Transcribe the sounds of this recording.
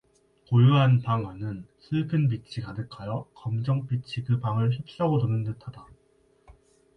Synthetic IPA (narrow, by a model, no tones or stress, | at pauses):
kojuɦanpaŋwanɯnsʰɯɭkʰɯnp̬it͡ɕʰikadɯkʰajʌkʌmd͡ʑʌŋp͈it͡ɕʰikɯbaŋɯɭçip̚s͈ʌɡodonɯnːɯtʰada